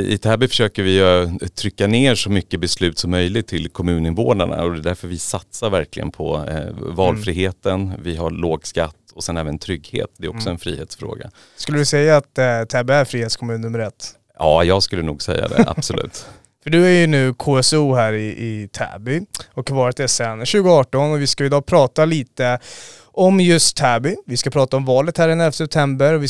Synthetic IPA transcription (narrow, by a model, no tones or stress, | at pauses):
ɪ̰t̪ʰæːbʏfœʂøːkəvɪt̪ʰɾʏkːaneːɾʂɔmʏkːəbɛslʉ̟ːt̪sɔmːœjlɪt̪ʰɪlkʰɔmʉ̟ːnɪnvoːnaɳa̰ɔd̪ɛd̪æɾfœɾvɪsat̪saɾvæɾklɪ̰ɡə̰npʰɔ̰vɑːlfɾiːɦeːt̪ənvɪɦaɾɭoːɡskat̪ːɔsɛnɛːvənt̪ʰɾʏɡhḛːt̪̚d̪ɛɾɔksɔɛnfɾiːheːt̪sfɾo̰ːɡa̰ | skɵlːədɵsɛjːaːt̪t̪ʰːɛːbɪæɾfɾiːheːt̪skʰɔmʉnnmːəɾɛt̪ː | ɑːjɑːɡskɵlːənuːɡsɛ̰jːa̰d̪ɛ̰ʔa̰̥sɔlʉ̟̰ːt̪ | fœɖɵæɾjɵnʉ̟ːkʰoːɛsuːɦæːɾɪʔɪt̪ʰæ̰ːbʏɔkvɑːɾət̪æsɛnɕʉ̟ːɡʊɑːʈɔnɔvɪskaɪd̪ɑːpʰɾɑːt̪aliːt̪ə | ʔɔmjɵst̪ʰːæːbʏvɪskapʰɾɑːt̪aɔmvɑːlət̪hæːɾɛnɛfsɛp̚t̪ʰɛmbəɾɔvɪ